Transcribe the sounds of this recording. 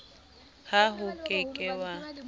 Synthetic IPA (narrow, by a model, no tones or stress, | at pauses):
haɦʊkʼekʼɛwa